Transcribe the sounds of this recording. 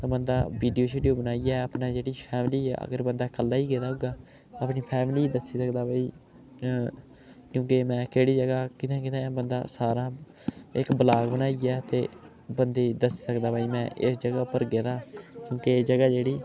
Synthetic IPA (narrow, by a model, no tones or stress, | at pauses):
t̪ãːbənd̪a̰ːbiːɖijoːʃeːɖijoːbənaːijaːəpnaːd͡ʒeːɽiːpʰɛːmliːɛ̰ːə̰ɡəɾbənd̪aːkəlːaːiːɡeːd̪aːɦʊɡaː | əpniːpʰɛːmliːd̪əsiːsəkd̪aːbaːiː | kjõːkɪmɛ̃ːkeːɽiːd͡ʒəɡaːkɪt̪ʰɛ̃ːkɪt̪ʰɛ̃ːbənd̪a̰ːsaːɾãː | ɪkbəlaːɡbənaːijɛːt̪eː | bənd̪eːd̪əsi̥ːsəkd̪aːbaːiːmɛ̃ːʔɪsd͡ʒəɡaːpəɾɡeːd̪aːkjõːkesd͡ʒəɡaːd͡ʒeːɽiː